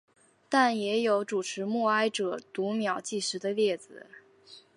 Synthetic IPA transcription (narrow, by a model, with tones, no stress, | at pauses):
t̪a˥˩njɛ˧˥jo˧˥ʊʈ͡ʂu˨˩ʈ͡ʂʰɻ̩˧˥mu˥˩a˥ɪʈ͡ʂɤ˨˩˦t̪u˧˥mjɑ˨˩ʊt͡ɕi˥˩ʂɻ̩˧˥d̪ə˧ljɛ˥˩d͡zɹ̩˨˩